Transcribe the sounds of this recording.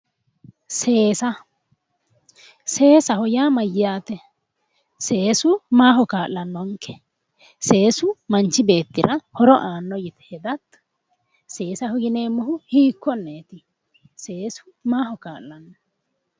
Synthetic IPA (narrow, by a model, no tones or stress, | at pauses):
se̞ːsɐ | se̞ːsɐhɔjaːmɐjːɪjaːt̪ɛ | se̞ːsʊmaːɦɔkaːlːɐnːɔŋkːɛ̥ | se̞ːsʊmɐnt͡ʃːɪbe̞ːt̪ːɪɾɐhɔɾɔʔaːnːɔjɪt̪ɛ̥hɛd̪ɐt̪ː | se̞ːsɐhɔɡɪneːmːɔhʊhiːkːɔnːeːt̪ɪ | se̞ːsʊ̥maːhɔkaːlːɐnːɔ